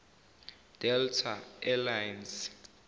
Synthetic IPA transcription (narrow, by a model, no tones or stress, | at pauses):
d̥ɛltʰaɛlajns